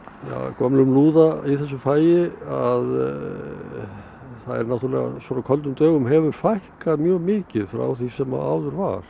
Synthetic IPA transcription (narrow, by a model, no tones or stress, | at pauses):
ja̰kɔmlʏmluːðaiθɛs̬ːʏfaːjɪað | θaðɛ̰ɾnawt̪yɾalɛ̰ɣa̰sɔɾakʰœlt̪̬ʏmt̪œːɣʏmɦɛvʏɾfajhkaðmjœːɣmɪːcɪðfɾa̰wθisɛma̰a̰ːwðʏɾva̰ɾ̥